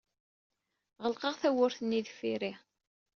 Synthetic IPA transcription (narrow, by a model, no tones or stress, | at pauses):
ʁəlqəʁθæwʊɾθənːiðfiɾi